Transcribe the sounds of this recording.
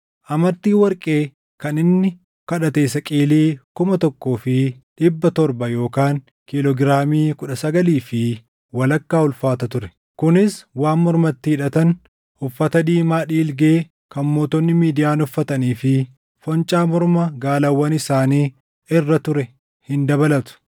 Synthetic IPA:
ʔɐmɐnt̪ːiːwɐɾkʼe̞ː | kɐnɪnːɪ | kɐᶑɐt̪eːsɐkʼiːliːkʊmɐt̪ɔkːo̞ːfɪᶑɪbːɐt̪ɔɾbɐjo̞ːkaːŋ | kɪlɔɡɪɾaːmiːkʊᶑɐsɐɡɐliːfɪ | wɐlɐkːaːʊlfaːt̪ɐt̪ʊɾɛ̥ | kʊnɪswaːnmɔɾmɐt̪ːɪhɪᶑɐt̪ɐn | ʊfːɐt̪ɐd̪iːmaːᶑiːlɡe̞ː | kɐnmo̞ːt̪ɔnːɪmiːd̪ɪjaːnʊfːɐt̪ɐniːfɪ | fɔnt͡ʃʼaːmɔɾmɐɡaːlɐwːɐnɪsaːniː | ɪrːɐt̪ʊɾɛ | hɪnd̪ɐbɐlɐt̪ʊ̥

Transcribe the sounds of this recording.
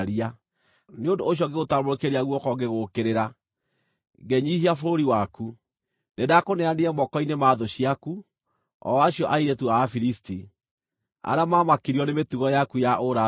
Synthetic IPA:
ɾia | neondoːɕ̬jɔɡeɣotamoɾekeɾiaɣwɔkɔɡeɣokeɾeɾa | ŋɡɛɲihiafoɾoɾiwaku | nedakonɛaneɛmɔkɔinemaðoɕiaku | ɔ̰aɕiɔʔaiɾetuaːfiɾisti | a̰ɾamaːmakiɾiɔnemetuɣɔjakujaʔoɾa

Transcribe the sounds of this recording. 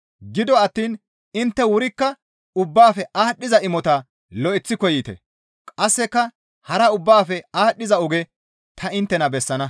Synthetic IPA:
ɡɪd̪ɔɐt̪ːiːn | ɪnt̪ːɛwʊɾɪkːɐ | ʊbːaːfɛʔaːɗːɪzɐʔɪmɔt̪ɐ | lɔʔɪt͡sːɪkɔjit̪ɛ̰ | kʼɐsːɛkːɐ | hɐɾɐʊbːaːfɛaːɗːɪzɐʊɡɛ | t̪ʰɐɪnt̪ːɛnɐbɛsːɐnɐ

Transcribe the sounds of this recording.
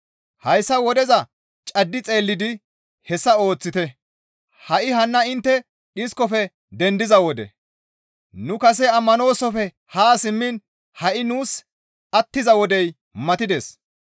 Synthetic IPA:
hɐjsːɐwɔd̪ɛzɐ | t͡ʃʼɐd̪ːɪt͡sʼe̞ːlːɪd̪ɪ | hɛsːɐo̞ːt͡sːɪt̪ɛ | hɐʔɪhɐnːɐɪnt̪ːɛ | ɪskɔfɛ | d̪ɛnd̪ɪzɐwɔd̪ɛ̰ | nʊkɐs̬ɛɐmːɐno̞ːsɔfɛ | haːsɪmːɪn | hɐʔɪnuːs | ɐt̪ːɪzɐwɔd̪ɛj | mɐt̪ɪd̪es

